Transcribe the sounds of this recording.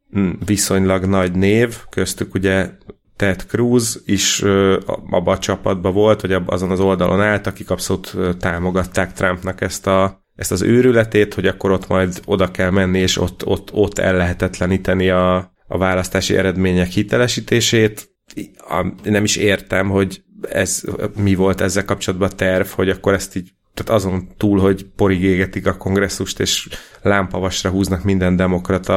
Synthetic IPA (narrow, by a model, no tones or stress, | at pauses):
viso̞ɲlɒɡnɒɟneːvkø̞st̪ykuɟɛ | t̪ɛt̪kruːziʃø̰ːɒ̰bːɒːt͡ʃɒpːɒd̪̚bɒvo̞lt̪ho̞ɟɒbɒ̰zo̞nɒzo̞ld̪ɒ̰lʔo̞̰naːlt̪ɒkikɒpso̞luːt̪øːt̪ːaːmo̞ɡɒt̪ːaːk̚t̪rɒmpnɒkɛst̪ɒ | ɛst̪ɒzøːɾylɛt̪eːt̪ho̞ɟɒkːo̞ɾo̞t̪mɒjd̪o̞d̪ɒkɛlmɛnːieːʃo̞̰t̪ːo̞̰t̪ːo̞t̪ːɛ̰lːɛɦɛt̪ɛt̪lɛniːt̪ɛniɒ̰ː | vaːlɒst̪aːʃḭʔɛ̰ɾɛd̪meːɲɛkhit̪ɛlɛʃiːt̪eːʃeːt̪ | ɒ̰nːɛmiʃeːrt̪ɛmho̞ɟɛ̰zmivo̞lt̪ɛzːɛlkɒp̚t͡ʃo̞lɒd̪bɒt̪ɛrvho̞ɟɒkːo̞ɾɛst̪iːɟ | t̪aːt̪ɒzo̞nt̪uːlho̞ɟpo̞ɾiɡeːɡɛt̪ikɒko̞ŋɡrɛsːuʃt̪eːʃ | laːmpɒvɒʃrɒɦuːznɒkmind̪ɛnd̪ɛmo̞krɒt̪ʰɒ